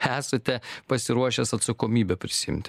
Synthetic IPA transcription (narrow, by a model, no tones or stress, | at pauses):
æːsɐt̪ʲɛpɐsʲɪɾuɔʃʲɛsɐt̪sɐkoːmʲiːbʲɛpʲɾʲɪsʲɪɪ̰mʲt̪ʲɪ